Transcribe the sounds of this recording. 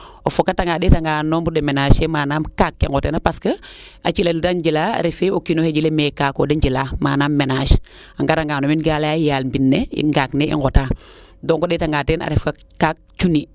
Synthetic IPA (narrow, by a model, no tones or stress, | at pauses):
ofokataŋɡaːdetaŋɡaːnombudemenaːʃemaːnaːmkakːḭŋɡoteːnapaskə | at͡ʃileddand͡ʒilaa̰ɾefeokinoheɟilemekaːkodaɲɟilaːmaːnaːmːenaʃ | aŋɡataŋɡaːnominɡalajajaːlmbinːḛŋɡakneḭŋɡotaː | doːŋkodeːtaŋɡaːteːna̰ɾefka | kak̚ | t͡ʃuni